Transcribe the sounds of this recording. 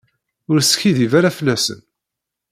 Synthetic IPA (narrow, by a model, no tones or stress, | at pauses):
ʊɾsçiðivaɾafəlːæsə̰n